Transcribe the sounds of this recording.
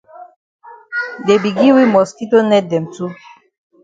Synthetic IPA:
de˨bi˨ɡi˦wi˦mɔ˨ski˦to˦nɛ˦dɛ˨mtu˦

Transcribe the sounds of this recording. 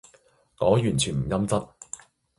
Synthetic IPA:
ŋɔː˨˥jyː˨˩nt͡ʃʰyː˨˩nm̩˨˩jɐ˥mt͡sɐ˥t̚

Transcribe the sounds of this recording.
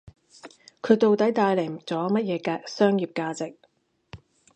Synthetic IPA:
kʰɵ˨˧ɥt̪o˨˧wt̪ɐ˨˥jt̪aː˧jlɛ˨˩t͡sɔː˨˥mɐ˥t̚jɛː˨˧kaː˧k̚sœː˥ŋjiː˨p̚kaː˧t͡sɪ˨k̚

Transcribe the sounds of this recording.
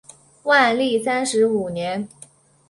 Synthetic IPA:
wa˥˧nli˥˩sa˥nʂɻ̩˧˥u˨˩njɛ˧˥n

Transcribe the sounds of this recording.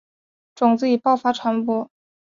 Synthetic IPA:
ʈ͡ʂʊ˨˩ŋt͡sɹ̩˧˥i˨˩pɑ˥˩ʊfa˥ʈ͡ʂʰwa˧˥npɔ˧˥

